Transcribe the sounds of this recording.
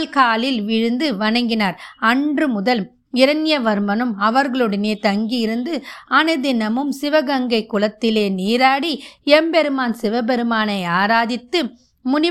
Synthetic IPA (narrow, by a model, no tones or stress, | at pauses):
lkaːlɪlʋɪɻɯnd̪ɯʋɐɳɐŋɡɪnaːɾɐɳɖrɯmʊðɐl | ɪɾɐnjɐʋɐɾmɐnɯmɐʋɐɾɣɐɭɔɽɐneːt̪ɐŋɡijɪɾɯnd̪ɯɐnɐðɪnɐmɯmsɪʋɐɣɐŋɡɐɪkːʊɭɐt̪ːɪleːniːɾaːɽiɛmbɛɾɯmaːnsɪʋɐbɛɾɯmaːnɐɪaːɾaːðɪt̪ːɯ | mʊnɪ